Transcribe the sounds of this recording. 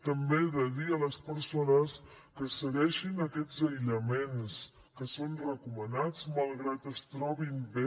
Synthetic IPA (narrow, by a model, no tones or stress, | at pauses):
t̪əmbeðəðiələspəɾsonəs | kəsəɣɛʃinəkɛd͡zəjʎəmens | kəsonrəkumənad͡zməlˠɣɾat̪əst̪ɾɔβimbe